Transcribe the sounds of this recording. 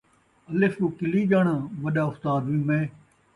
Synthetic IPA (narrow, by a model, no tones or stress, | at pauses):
ɐlɪfuːkɪliːd͡ʒaːɳãːʋɐɗaːʊst̪aːd̪ʋĩːmẽː